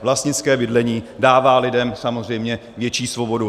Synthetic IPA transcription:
vlast̪ɲɪt͡skɛːbɪdlɛɲiːdaːvaːlɪdɛmsamozr̝ɛjmɲɛ | vjɛt͡ʃiːsvo̞bo̞du

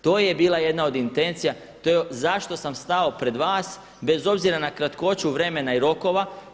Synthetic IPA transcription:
t̪o̞ːje̞biːlˠaje̞d̪nao̞d̪int̪e̞nt̪sija | t̪oezaʃt̪o̞samst̪ao̞pɾe̞d̪ʋaːs | be̞zo̞bziɾanakɾat̪ko̞t͡ɕuʋɾe̞me̞naiɾo̞ko̞ʋa

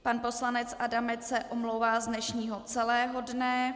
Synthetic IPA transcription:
panpo̞slanɛt͡sadamɛt͡s̪sɛʔomlowvaːzdnɛʃɲiːɦo̞t͡sɛlɛːɦo̞dnɛ

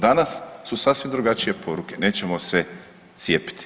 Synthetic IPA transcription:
d̪anasːusasʋimd̪ɾuɡat͡ʃije̞pʰo̞ɾuke̞ne̞ːt͡ɕe̞mose̞ | t̪sje̞ːpi̥t̪i̥

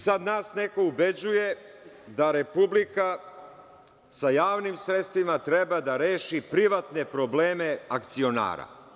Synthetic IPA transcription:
sad̪naːsne̞ko̞ubed͡ʑuje̞ | d̪aɾe̞publika | sajaːʋnimsɾet̪st̪ʋimat̪ɾebad̪aɾeːʃipɾiʋat̪ne̞pɾo̞bleːme̞akt̪sio̞na̰ːɾa̰

